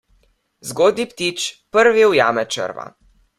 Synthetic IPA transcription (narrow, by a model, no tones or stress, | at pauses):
zɡoːd̪nipt̪it͡ʃpəɾʋiwjaːmɛt͡ʃə̰ɾʋa̰